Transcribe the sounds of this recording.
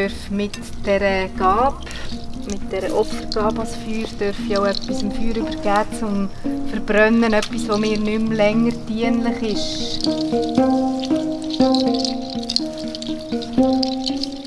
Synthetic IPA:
œɾfmɪt | d̥ɛɾəɡ̥ɑːp | mɪt̚d̥ɛɾəʔɔpfəɾɡ̥ɑːbɑsfyːɾd̥œɾfiawœpːisɪmfyːɾyb̥əɾɡ̥æːt͡sʊmfəɾb̥ɾœnːənœpːisʋomɪːɾnʏmlɛŋːəɾtiənlɪχɪʃ

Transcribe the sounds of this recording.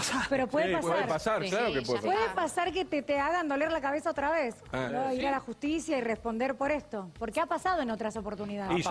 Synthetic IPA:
apeɾo̞pweðepawðeɾpasaɾklaɾokepwepweðepasaɾket̪et̪eaɣand̪o̞leɾlakaβ̞esaot̪ɾaβesaoiɾalaxust̪isjairespo̞nd̪eɾpo̞ɾest̪o̞po̞ɾkeapasað̞oeno̞t̪ɾaso̞po̞ɾt̪uniðaðei

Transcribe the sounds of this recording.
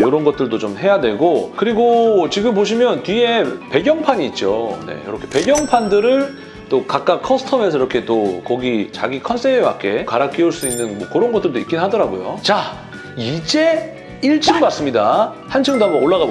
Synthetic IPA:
joɾʌnɡʌt̚t͈ɯɭdot͡ɕomɦe̞jadwe̞ɡokɯɾiɡot͡ɕiɡɯmpoɕ̬ʰimjʌntɥie̞pe̞ɡjʌŋpʰaɲiːt̚t͡ɕ͈o̰ne̞̰jo̰ɾʌkʰepe̞ɡjʌŋpʰandɯɾɯɭ | t͈okak͈̚akʰʌsʰɯ̥tʰʌme̞sʰʌiɾʌkʰe̞t͈okʌɡit͡ɕa̰ɡikʰʌns͈ʰeewa̰k͈e̞kaɾak͈iuɭs͈uinːɯnmwʌ̰kɯɾʌnɡʌt͈̚ɯɭdoḭk͈inɦadʌɾaɡojo̰t͡ɕa | id͡ʑe̞ | iɭt͡ɕ͈ɯmbas͈ɯmɲida | hant͡ɕʰɯŋdamooɭːaɣab

